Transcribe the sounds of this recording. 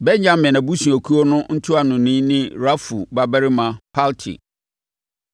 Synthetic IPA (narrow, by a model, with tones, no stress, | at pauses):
bɛ˦ɲã˦mːɛ̃˨nã˨bu˦sũ˨a˨kʰu˦o˦nʊ̃˦n̩˦tʰʊ˦a˨nʊ̃˨nĩ˦nɪ̃˦ɾa˦fṵ˨ba˦bɛ˦ɾɪ˦mã˨pʰa˦ltʰḭ˨